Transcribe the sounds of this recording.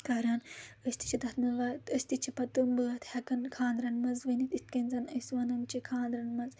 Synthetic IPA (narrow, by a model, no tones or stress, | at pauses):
kɐɾɐnəsʲt̪i̥t͡ʃʰid̪ɐt̪nɐʋɐt̪əsʲt̪it͡ʃʰɐpɐt̪umbɨɦɐt̪hɐkɐnkʰaːnd̪ɾɐnmɐzʋɐnit̪it̪kɐnʲzɐnɐsʋɐnɐmt͡ʃikʰaːnd̪ɾɐnmɐz